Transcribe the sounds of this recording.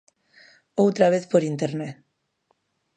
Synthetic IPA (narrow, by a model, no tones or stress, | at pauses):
owt̪ɾaβ̞eθpoɾint̪eɾnet̪